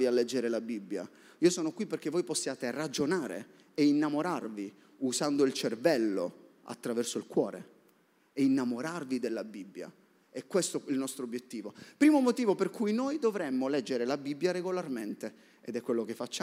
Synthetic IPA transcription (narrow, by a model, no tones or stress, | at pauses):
ialːɛd͡ʒːeɾelabibːja̰ | iːosɔːnokwipːerk̟evojposːjaːt̪erad͡ʒonaːɾḛ | einːamoɾarvi | usand̪oilt͡ʃervɛlːo̰ | a̰t̪ːɾavɛrsoilkwɔːɾḛ | ɛinːamoɾarvid̪elːabibːja̰ | ɛkːwest̪oilnɔst̪ɾoobːjet̪ːiːvopɾiːmomot̪iːvoperkʰujnojd̪ovɾɛmːolɛd͡ʒːeɾelabibːjaɾeɡolarment̪e | ed̪ɛkːwelːokefːat͡ʃːa